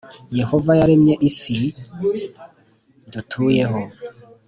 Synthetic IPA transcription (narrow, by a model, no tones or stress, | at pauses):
jehovajaɾemɲeʔisi | dutʰuːjeɦo